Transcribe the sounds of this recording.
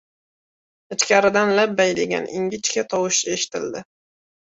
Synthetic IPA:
ɪt͡ʃkʲaɾɪd̪anlabːajlɪɡʲa̰nʔɪ̰ŋɡʲɪt͡ʃkʲat̪ʰɒwɪʃeʃɪ̥t̪ʰɪ̰ld̪ɪ

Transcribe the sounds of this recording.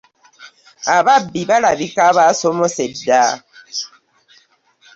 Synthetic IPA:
aβabːiβalaβikaβasomoseda

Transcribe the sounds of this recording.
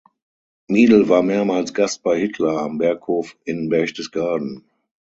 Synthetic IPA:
miːdl̩vaːɐmeːɐmaːlsɡ̥ast̚b̥aɪhɪtʰlɐambɛɐkhoːfɪnbɛɐçdəsɡ̥aɐdn̩

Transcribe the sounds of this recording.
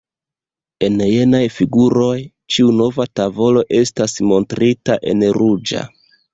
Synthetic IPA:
e̞nje̞najfiɡuɾo̞j | t͡ʃiuno̞vatavo̞lo̞ʔe̞stasmo̞ntɾitaʔe̞̰nɾud͡ʒa̰

